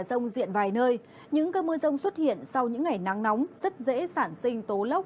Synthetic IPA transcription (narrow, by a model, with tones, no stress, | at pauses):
zə˧wŋ͡mzḭ˧˨ənvaː˨˩jnəː˧j | ɲɨ̰˧˥ŋkəː˧mɨ˧əzə˧wŋ͡mswə˦˥t̚hḭ˧˨ənsa˧wɲɨ̰˧˥ŋːa˨˩jna˨˦ŋnɔ˨˦wŋ͡mzə˦˥t̚zḛ˧˥saː˧˩nsï˧ŋ̟t̪o˨˦lə˦˥wk͡p̚